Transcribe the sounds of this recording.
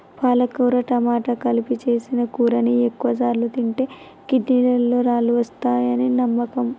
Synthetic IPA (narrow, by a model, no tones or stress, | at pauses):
paːlɐkuːɾɐʈɐmaːʈɐkɐlipit͡ʃe̞ːsinɐkuːɾɐniekːuʋɐsaːɾlut̪iɳʈe̞ː | kidniɽɐlːoːɾaːluʋɐst̪aːjɐninɐmːɐkɐm